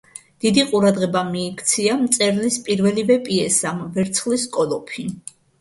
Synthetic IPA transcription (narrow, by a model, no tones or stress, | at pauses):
d̪̥id̪iqʼuɾad̪ʁɛbamiːkʰt̪sʰiamt̪sʼɛɾlispʼiɾvɛlivɛpʼiɛsamvɛɾt̪sʰχliskʼɔlɔpʰi